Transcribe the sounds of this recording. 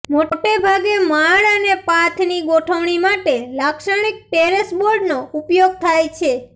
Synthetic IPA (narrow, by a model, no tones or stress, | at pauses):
moʈebʱaɡemaɭənepat̪ʰniɡoʈʰəʋɳ̃imaʈelakʃəɳ̃ik̚ʈeɾəsboɾɖnoupjoɡ̚t̪ʰajt͡ʃʰe